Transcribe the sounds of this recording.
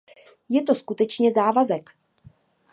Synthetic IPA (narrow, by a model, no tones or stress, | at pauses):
jɛt̪o̞skut̪ɛt͡ʃɲɛzaːvazɛk